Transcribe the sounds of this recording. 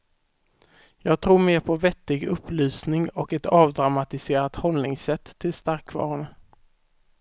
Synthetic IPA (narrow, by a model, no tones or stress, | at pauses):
jɑːɡ̚t̪ʰɾuːɾmeːɾpʰɔvɛt̪ːɪɡɵpːlyːsnɪŋɔkɛt̪ʰɑːvd̪ɾamat̪ɪseːɾat̪hɔlnɪŋsɛt̪ʰːɪlst̪aɾkvɑ̰ːɾʊnə